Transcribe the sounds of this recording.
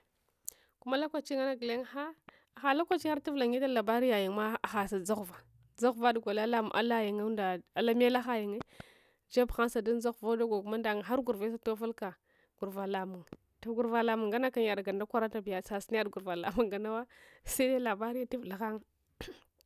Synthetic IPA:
ku˦ma˦la˦kʷa˨t͡ʃi˦ŋa˦na˦ɡle˦ŋ˦xa˦˨ | xa˨la˦kʷa˦t͡ʃi˦xa˦ɾti˦vla˨ŋi˦ta˦la˨ba˦ɾi˦ja˨ji˨ŋma˦a˨xa˨sa˨d͡za˦ɣva˨ | d͡za˦ɣva˦dɡʷa˨la˦la˦mṵ˨ʔa̰˦la˦ji˨ŋa˦nda˨a˨la˦m˦e˦la˦xa˦ji˨ŋe˦ | d͡ʒa˦bxa˦nsa˨da˦n˦za˦ɣvo˦do˦ɡa˨ku˨ma˦nda˨ŋa˨xa˦ɾɡu˨ɾve˦s̬a˦to˦fa˦lka˨ | ɡ̥u˨ɾva˨la˨mu˨ŋ | ta˦ɡu˨ɾva˨la˨mu˨ŋɡa˦na˦ka˨ja˨dɡa˨nda˦kʷa˦ɾa˦ta˨bi˨ja˨sa˨si˦n˦a˦dɡu˨ɾva˨la̰˨mu˨ŋɡa˨na˦wa˦sa˦da˦la˨ba˦ɾi˦ja˦ti˦vla˨xa˦ŋ

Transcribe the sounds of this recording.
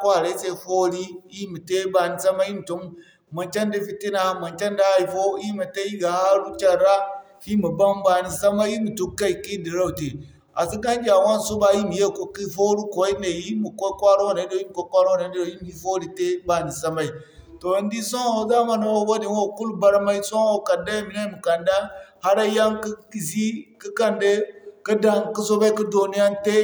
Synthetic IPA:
ka˦˨ɾe˦se˦fo˦ɾi˦i˦mi˨te˦ba˨ni˨sa˦ma˦i˦mi˨to˦m | ma˨nt͡ʃa˦ndi˦fi˦ti˦na˨˦ma˨nt͡ʃa˦nda˦i˨fo˦i˦ma˨te˦i˦ɡa˨ha˦ɾu˦t͡ʃa˨ɾa˦ | hi˦mu˨ba˦mba˨ni˨sa˦ma˦i˦mu˨tu˦ka˦i˨ki˦di˨ɾa˦u˨te˨ | a̰˨si˦ka˦nd͡ʒʲa˨wa˦nsu˦ba˦ji˦mi˨je˦˨ko˨ki˦fo˦ɾu˦ko˨wi˦ne˨ji˦mu˨ko˦kʷa˦ɾwa˦na˨˦do˦i˦mu˨kʷo˦kʷa˦ɾwo˦na˨˦o˨ji˦m˨i˦fo˦ɾi˨te˦ba˨ni˨sa˦ma˦i˦˨ | to˨ndi˦so˦ŋ˦o˨za˦ma˨no˨wo˦wa˦di˨n˦o˦ku˦lba˦ɾma˦i˦so˦o˨ka˨nda˦mi˨na˦mu˨ka˨nda˦ha˦ɾa˦ja˦ŋki˦i˨si˦ki˦ka˦nde˦ka˦da˦ŋki˦so˦ba˦i˦ki˦do˨ni˦ja˦nte˦

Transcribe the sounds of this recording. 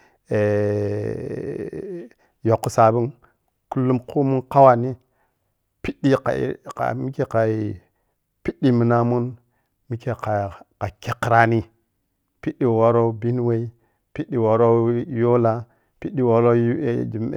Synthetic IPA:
e˨ | jo˨kːu˨sa˨bi˦n | ku˦lːu˦mku˦mu˦nka˦wa˨ni˦ | pi˦ɗi˦ka̰˨ka̰˨mi˦ke˨ka˨ | pi˦ɗi˦mi˨na˦mu˦n | mi˦ke˨ka˨ka˨ke˨kːɾa˦ni˦ | pi˦ɗi˨wo˨ɾo˦bi˦n˦we˦i˦ | pi˦ɗi˨wo˨ɾo˦jo˦la˦ | pi˦ɗi˦wo˨ɾo˦˨d͡ʒi˨

